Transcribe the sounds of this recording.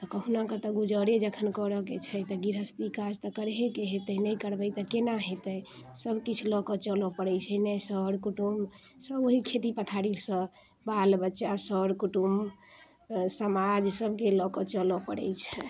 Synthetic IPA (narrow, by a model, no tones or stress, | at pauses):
t̪ɔkəɦunakət̪ɔɡud͡ʒəɾed͡ʒəkʰənkɔɾəket͡ʃʰɛt̪ɔɡiɾɦəst̪ikad͡ʒt̪ɔkəɾɦekeɦet̪əjnəjkəɾbəjt̪ɔkenaɦet̪əjsəbkit͡ʃʰulɔkɔt͡ʃəlɔpəɾɛjt͡ʃʰɛnɛsəɽkuʈumsəboɦikʰet̪ipət̪ʰaɾilsə̃ | balbətːʃasəɾkuʈum | səmad͡ʒsəbkelɔkɔt͡ʃəlɔpəɽɛ̰jt͡ʃʰɛ